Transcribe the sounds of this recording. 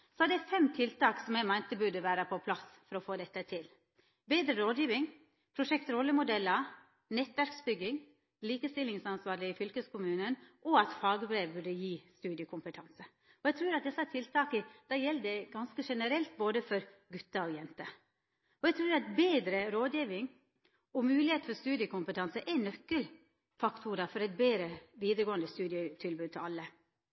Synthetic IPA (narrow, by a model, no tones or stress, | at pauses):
sɔhɑd̪ɛfɛmt̪ʰɪlt̪ɑːksɔmjæɪmæɪnt̪əbʉɖəʋæːɾəpʰɔpʰlɑsfɔɾɔfoːd̪ɛt̪ːət̪ʰɪl | beːd̪ɾəɾoːd̪jiːʋɪŋ | pʰɾʊʂɛkt̪ɾɔlːəmʊd̪ɛlːə | nɛt̪ʋæɾksbʏɡːɪŋ | liːkəst̪ɪlːɪŋsɑnsʋɑːɾɭɪɪfʏlkəskʊmʉːnənʔɔɑt̪fɑːɡəbɾeːʋbʉɖəjiːst̪ʉːd̪ɪəkʰʊmpət̪ʰɑnsə | ɔjɛɡt̪ʰɾʉːɾɑt̪̚d̪ɛsəhæt̪ʰɪlt̪ʰɑːkəd̪̥ɑjɛlːd̪ɛɡɑnskəʂɛnəɾɛlt̪̚boːd̪əfɔɾɡʉt̪ːɑɔjɛnt̪ə | ɔjɛɡt̪ʰɾʉːɾɑt̪̚beːd̪ɾəɾoːd̪jiːʋɪŋ | ɔmʉːlɪheːt̪fɔɾst̪ʉːd̪ɪəkʊmpət̪ʰɑnsəʔɛnœkːəl | fɑkt̪ʰuɾɑfɔɾɛt̪̚beːd̪ɾəʋiːd̪əɾɡoːənd̪əst̪ʉːd̪ɪət̪ʰɪlbʉːd̪̚t̪ʰɪlɑlːə